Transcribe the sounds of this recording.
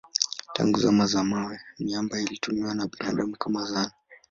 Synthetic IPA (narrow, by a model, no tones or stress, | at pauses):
tʰa̰ŋɡuzamazamawɛniambailitumiwanaɓina̰ɗamukamazana